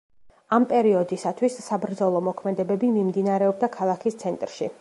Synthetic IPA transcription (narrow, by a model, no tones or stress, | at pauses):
ampʼɛɾiɔd̪isat̪ʰwisːabɾd̪zɔlˠɔmɔkʰmɛd̪ɛbɛbimimd̪inaɾɛɔb̚d̪akʰalˠakʰist̪sʰɛnt̪ʼɾʃḭ